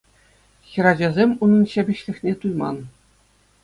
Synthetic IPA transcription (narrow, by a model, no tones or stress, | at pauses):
xʲɘ̆ɾɑd͡ʑɑzʲemʲunɤ̆nɕɑbʲɘ̆ɕlʲɘ̆xʲnʲet̪ujmɑ̰n